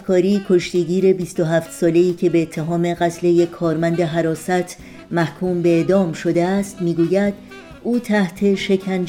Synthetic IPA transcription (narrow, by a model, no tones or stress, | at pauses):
kʰɒːɾiːkʰo̞ʃt̪iɟiːɾe̞biːst̪oɦæːft̪sɒːle̞iːcʰe̞beːt̪ʰːe̞ɦɒːme̞ɣæt̪ʰle̞jekʰːɒːɾmænd̪e̞ɦæɾɒːsæt̪ʰ | mæhkʰuːmbe̞eːd̪ɒːmʃo̞d̪eæst̪miːɡuːjæd̪ | ʔuːt̪ʰæht̪ʰe̞ʃe̞kʰæn